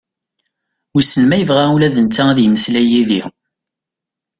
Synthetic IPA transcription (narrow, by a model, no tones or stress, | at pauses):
wisəlmæjəvʁaulæðənt͡s̪ːææðjəməslæjiðḭ